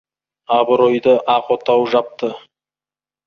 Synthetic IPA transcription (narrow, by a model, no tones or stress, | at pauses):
ɑbəɾojd̪əʔɑqot̪ɑwʒɑp̚t̪ə